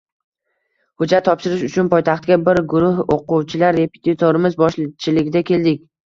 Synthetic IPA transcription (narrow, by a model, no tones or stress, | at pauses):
hʊd͡ʒat̪ʰːɒpʃɪɾɪʃʊt͡ʃʰʊnpɒjt̪ʰaχt̪ɡʲabɪɾɡʊɾʊhoqʊwt͡ʃʰɪlaɾːe̞pʰe̥t̪ʰit̪ʰoɾɪmɪzbɒʃlt͡ʃʰɪlɪɡʲɪd̪akʲʰe̞ld̪ɪkʲ